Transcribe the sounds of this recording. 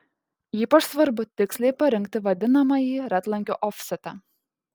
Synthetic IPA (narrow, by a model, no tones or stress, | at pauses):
jiːpɐʃsʋɐɾbʊt̪ʲɪksʲlʲɛɪpɐɾʲɪŋʲk̚t̪ʲɪʋɐd̪ʲɪnɐmɐjiːɾʲæt̪lˠɐŋʲkʲoːʔɔfʲsʲɛt̪ɑ